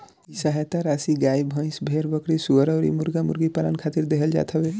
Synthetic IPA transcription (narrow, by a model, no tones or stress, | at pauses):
isaɦet̪aɾasiɡajbʱə̃j̃sbʱeɾbəkɾisuəɾəʊɾḭmuɾɡamṵɾɡipalənkʰat̪iɾd̪eɦəld͡ʒa̰t̪ʰəbe